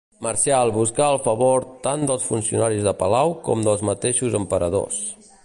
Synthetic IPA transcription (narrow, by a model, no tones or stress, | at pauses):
məɾʃaəlˠβuskaəlˠfəβoɾt̪and̪əlˠsfunsiṵnaɾizðəpəlawkɔ̰md̪əlˠzmət̪eʃuzəmpəɾəðo̰s